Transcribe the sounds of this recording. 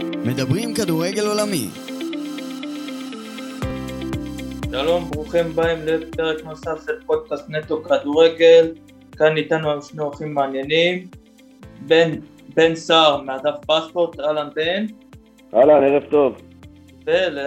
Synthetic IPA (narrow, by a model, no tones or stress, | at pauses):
med̪abʁimkad̪uʁeɡe̞lo̞lamḭm | ʃalo̞mbʁuχimbaemlepeʁe̞knosafʃelpo̞d̪̚kast̪net̪okaduʁeɡel | kanːit̪anuajuʃneoaχimːaːnjenim | ben | bensaʁmead̪afpaspo̞ʁt̪ʁalanben | alaneʁeft̪o̞v | bele